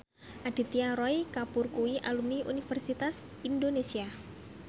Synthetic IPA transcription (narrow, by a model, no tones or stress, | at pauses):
ʔad̥i̤t̪iaɾɔjkapurkuwiʔa̰lumniʔṵnifərsit̪as | indonesia